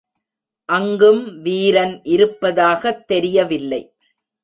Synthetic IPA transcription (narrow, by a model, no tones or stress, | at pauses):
ʔɐŋɡɯmʋiːɾɐnʔɪɾɯpːɐðaːɣɐt̪ːɛɾɪjɐʋɪlːɐɪ